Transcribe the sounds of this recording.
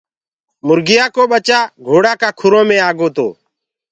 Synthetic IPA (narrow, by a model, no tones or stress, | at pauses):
mʊɾɡɪjaːkoːɓət͡ʃaːɡʱoːɽaːkaːkʰʊɾõːmẽːaːɡoːt̪o̰ː